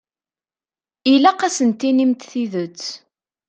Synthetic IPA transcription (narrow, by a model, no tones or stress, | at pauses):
ilæqæsənt̪ːinimt̪θiðət͡sː